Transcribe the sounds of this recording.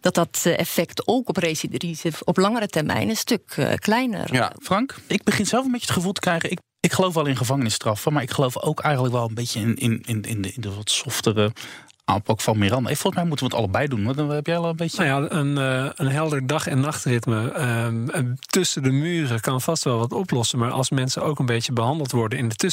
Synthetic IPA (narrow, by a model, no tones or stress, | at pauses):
d̥ɔt̚dɔtɛ̰fɛktowkɔprejsidrizəɔplɑŋəɾətɛrmɛ̰jnəstøkklɛjnə̰rfrɑŋkɪɡ̚bəχɪnzɛlˠfən̩mbejjətχəvulˠtə̥krɛjχəɪk | ɪkχəlowfʋɛlˠɪnχəvɑŋənɪstrɑfəmaːɹɪkχəlowfo̰wkɛjχənləkʋɛlˠənbejjənɪnɪnɪnɪdəʋɔtsɔftərə | ʔa̰ːmpɑkfɑnmirɑndə̰foɔlˠəsmɛjmutənʋətɑ̰lˠəbɛjdunɛpjɛlˠəbejnjaənənɦɛlˠdəɹdɑχɛnːɑχtrɪtmə | tʏsədəmyːrəkɑnfɑstʋɛlˠʋɑtɔplɔsənmaːɹʔɑ̰lˠsmɛnsənowkənbejtəbəɦɑndəlˠtʋɔɹdənɪndətø